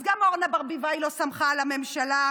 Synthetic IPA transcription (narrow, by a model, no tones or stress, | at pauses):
zɡamoʁnabaʁbivajlo̞samχalame̞mʃala